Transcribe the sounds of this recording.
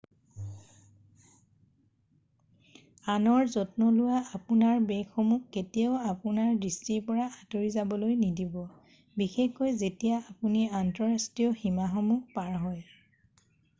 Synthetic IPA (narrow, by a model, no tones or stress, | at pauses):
anɔɹzɔtnɔlʊwaapunaɹbɛkːɔmukːetijaʊapunaɹdistiɹpɔɹaʔatoɹizabɔlojnidibɔ | bixexkɔjzetijaapuniantɔɹastiɔximaxɔmuk̚paɹɦɔj